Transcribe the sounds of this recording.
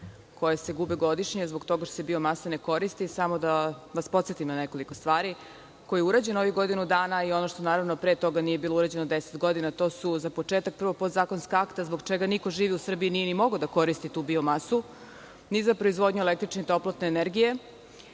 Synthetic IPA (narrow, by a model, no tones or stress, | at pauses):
ko̞jese̞ɡubeɡo̞d̪iʃɲezboɡt̪o̞ɡaʃt̪osebiomasaneko̞ɾist̪isamod̪aʋaspo̞t̪set̪imnaneko̞liko̞st̪ʋaːɾi | ko̞jieuɾaːd͡ʑe̞no̞ʋjuɡo̞d̪inud̪aːnaio̞noʃt̪o̞naːɾaʋnopɾeːt̪o̞ɡanije̞biːlˠouɾaːd͡ʑe̞nod̪eset̪ɡo̞d̪inat̪o̞ːsuzapo̞t͡ʃeːt̪ak̚pr̩ʋopot̪zaːkonskaakt̪azboɡt͡ʃeɡaniko̞ʒiːʋiusr̩bijinijenimo̞ɡod̪ako̞ɾist̪it̪uːbiomasu | nizapɾo̞izʋo̞d̪ɲuelek̚t̪ɾit͡ʃneit̪o̞plˠot̪neːneɾɡije̞